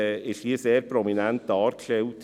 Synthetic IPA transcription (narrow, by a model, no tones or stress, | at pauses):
ɪʃiːseːɾpʰɾɔminɛnt̪ːɑːɾkʰleʊt̪